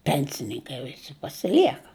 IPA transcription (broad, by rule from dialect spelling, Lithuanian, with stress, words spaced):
ˈpʲɛnʲsʲɪnʲɪŋkɐɪ ʋʲɪˈsʲɪ pɐsʲɪˈlʲiɛkɐ